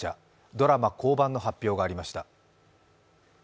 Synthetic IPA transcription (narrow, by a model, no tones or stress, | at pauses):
a̰ | d̪o̞ɾamako̞ːbãnːo̞ɦapʲːo̞ːɡaːɾʲimaɕi̥t̪a